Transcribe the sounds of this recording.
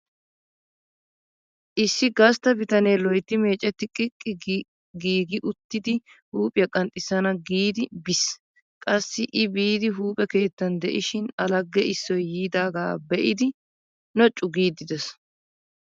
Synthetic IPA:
ʔɪsːɪɡɐst̪ɐbɪt̪ɐneːlɔjt̪ːɪme̞ːt͡ʃʼːɛt̪ːɪkʼɪkʼːɪ | ɡiːɡɪʔʊt̪ːɪd̪ɪ | huːpʼɪjɐkʼɐnt̪ʼɪsːɐnɐɡiːd̪ɪbɪs | kʼɐsːɪʔɪbiːd̪ɪɦuːpʼɛke̞ːt̪ːɐnd̪ɛʔɪʃɪnɐlɐɡːɛɪsːɔjːiːd̪aːɡaːbɛʔɪd̪ɪ | nɔt͡ʃʼːʊɡiːd̪ːɪd̪ɛs

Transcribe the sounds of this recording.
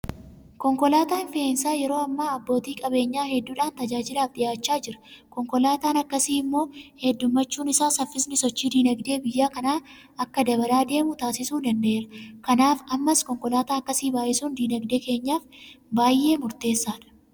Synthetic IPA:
kɔŋkɔlaːt̪aːnfɪeːnsaːjɛɾo̞ːɐmːaːɐbːo̞ːt̪iːkʼɐbe̞ːɲːaːhɛd̪ːuːᶑaːnt̪ɐd͡ʒaːd͡ʒɪlaːfd̪ɪjaːt͡ʃːaːd͡ʒɪɾɐ̥kɔŋkɔlaːt̪aːnɐkːɐsiːɪmːo̞ːhɛd̪ːʊmːɐt͡ʃːuːnɪsaːsɐfːɪsnɪsɔt͡ʃːiːd̪iːnɐɡd̪e̞ːbɪjːaːkɐnaː | ɐkːɐd̪ɐbɐlaːd̪e̞ːmʊt̪aːsɪsuːd̪ɐnd̪ɐʔeːɾɐkɐnaːfɐmːɐskɔŋkɔlaːt̪aːɐkːɐsiːbaːʔɪsuːnd̪iːnɐɡd̪eːke̞ːɲːaːfbaːjʔe̞ːmʊɾt̪e̞ːsːaːᶑɐ̥

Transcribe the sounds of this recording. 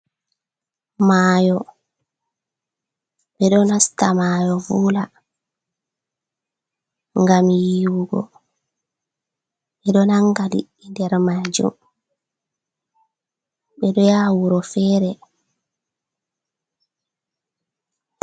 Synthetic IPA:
maːjɔ | ɓɛɗɔnastamaːjɔvuːla | ŋɡamjiːwuɡɔ̰ | ɓɛɗɔnaŋɡalḭ | ndɛɾmaːd͡ʒṵm | ɓɛɗɔjaːwuɾɔfɛːɾɛ

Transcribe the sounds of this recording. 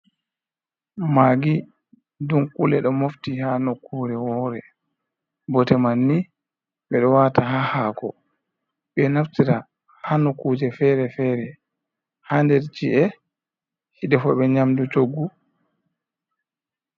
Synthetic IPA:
maːɡi | dunkulɛɗɔmoftihanokːuːɾɛwɔːɾɛ | bɔtɛmanːi | ɓɛɗɔwataɦahaːkɔ̰ | ɓɛnaftiɾa | hanokud͡ʒɛfɛɾɛfɛɾɛ | handɛɾt͡ʃiɛ | hiɗɛfɔɓɛɲamdut͡ʃoɡːu

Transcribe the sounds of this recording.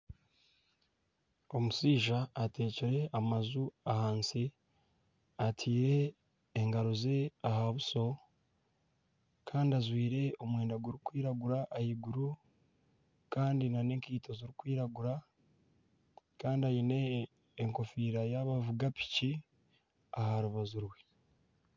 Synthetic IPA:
o̞musiːʒaːte̞ːceɾe̞ʔamazuahaːnsi | atʰiːɾe̞ː | ŋɡaɾoze̞ahaβuso̞ | kʰaːndazwiːɾe̞o̞mwe̞ːndaɡuɾikwiːɾaɡuɾaʔːhiɡuɾu | kaːndinaneːŋkiːto̞ziɾikwiːɾaɡuɾa | kaːndiajine̞ː | ŋko̞fiːɾajaβavuɡapi̥ci | ahaɾuβazuɾwe

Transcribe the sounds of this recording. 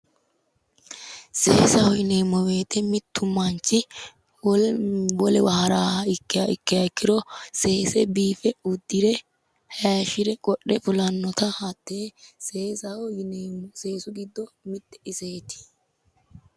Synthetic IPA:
se̞ːsɐhɔɪne̞ːmːɔwe̞ːt̪ɛmɪt̪ʰːʊmːɐnt͡ʃːɪ | wɔlɛwɐhɐɾaːhɐɪkːɪjaɪkːɪjɐɪkːɪɾɔse̞ːsɛbiːfɛʊd̪ːɪɾɛ | haːʃɪɾɛkʼɔɗɛfʊlɐnːɔt̪ɐhɐt̪ːeseːsɐwɔjɪneːmɔse̞ːsʊɡɪd̪ːɔmɪt̪ːɛ̥ɪseːt̪ɪ̥

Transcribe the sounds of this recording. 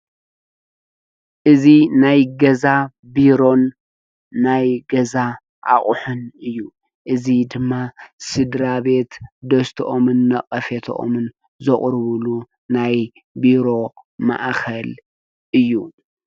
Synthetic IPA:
ʔɨzinajɡɐza | biɾo̞nː | ajɡɐza | ʔa̰χʼʊħunɨjːu | ʔɨzid̪ɨmːasɨd̪ɾaβe̞t̪d̪ɐst̪ʰoʔomɨnːɐqʼɐfet̪ʰo̰ʔo̰mɨn | zɨχʼɾβɨlu | naj | biɾo̞ma̰ʔkʰɐl | ʔɨjːu

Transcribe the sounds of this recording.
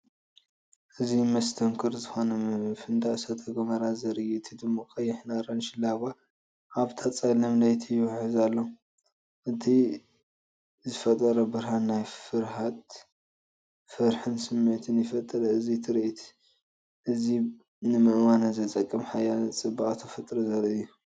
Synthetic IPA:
ʔɨzimɐst̪ʰɐŋkʰɨɾzɨxo̞nɐfɨnd̪aʔsɐt̪ʰɐɡɐmɐɾazɐɾijit̪ʰid̪ɨmːakʼɐjːɪħnaɾɐnʃɪlaβa | ʔaβt̪ʰat͡sʼajnɐmlɐjt̪ʰijɪwħɨzalːo | ʔɨt̪ʰi | zɨfɐt̪ʼːɐɾɐbɨɾhanajfɨɾhat̪ | fɨɾħɨnsɨmːɐt̪ʰɨnjɪfɐt̪ʼːɐɾɐɨzit̪ʰɨɾiʔit̪ʰ | ʔɨzi | nɨmɨʔwanɐzɐt̪ʼɐkʼːɐmħajat͡sʼɨbaʔʼt̪ʰɐfɐt̪ʼɾɐzɐɾɨjːu

